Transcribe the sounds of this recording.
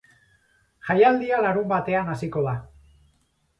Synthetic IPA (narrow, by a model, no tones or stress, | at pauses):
ʝajald̪ialaɾumbat̪e̞anasiko̞ða